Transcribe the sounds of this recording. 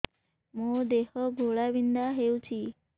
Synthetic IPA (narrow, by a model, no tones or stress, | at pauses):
mud̪ehɔɡʱoɭaʋind̪aɦewt͡ʃʰi